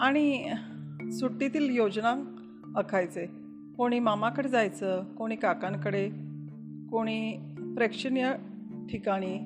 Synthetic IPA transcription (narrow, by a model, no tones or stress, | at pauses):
aɽ̃i | suʈːit̪iːljod͡znã | əkʰajt͡se | koɽ̃iːmamãkəɽed͡zajt͡səːkoɽ̃iːkakãŋkəɽe | koɽ̃iːpɾekʂənjə | ʈʰikaɽ̃iː